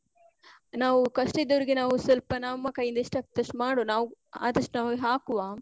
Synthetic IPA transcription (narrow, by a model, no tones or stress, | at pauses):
naːʋukɐʂʈid̪ːɐʋɐɾiɡinaːʋusɪlpɐnaːmːɐkɐjind̪iʂʈɐk̚t̪ɐʂʈmaːɽonaːʋua̰ːd̪ɐʂʈnaːʋɦaːkuʋaː